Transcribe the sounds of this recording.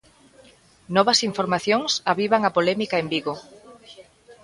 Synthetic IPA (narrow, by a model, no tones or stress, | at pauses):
nɔβɐsiɱfoɾmaθjoŋsaβiβaŋapolɛmikaembiɣo